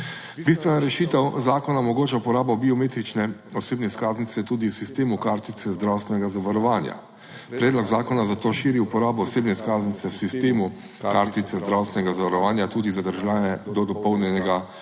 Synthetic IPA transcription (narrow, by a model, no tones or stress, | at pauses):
bist̪ʋɛnaɾɛʃiːt̪ɛwzaːkɔnamɔɡoːt͡ʃaupɔɾaːbɔbiɔmeːt̪ɾit͡ʃnɛɔseːbnɛskaːznit̪sɛt̪uːd̪iwsist̪eːmukaːɾt̪it̪sɛzd̪ɾawst̪ʋɛnɛɡazaʋaɾɔʋaːnja̰ | pɾɛːd̪lɔɡzaːkɔnazat̪oːʃiːɾiupɔɾaːbɔːseːbnɛskaːznit̪sɛwsist̪eːmu | kaɾt̪it̪sɛzd̪ɾawst̪ʋɛnɛɡazaʋaɾɔʋaːnjat̪uːd̪izad̪əɾʒlaːnɛd̪ɔd̪ɔpɔwnjɛnɛɡa